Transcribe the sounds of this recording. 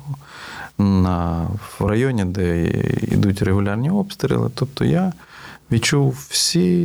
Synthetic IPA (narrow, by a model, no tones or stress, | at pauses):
nɐrɐjɔnʲid̪ɛḭd̪utʲreɦʊlʲarnʲiɔpst̪ɾʲɪ̰lˠɪ̰t̪ɔp̚t̪ɔ̰ja | ʋʲit͡ʃuwsʲi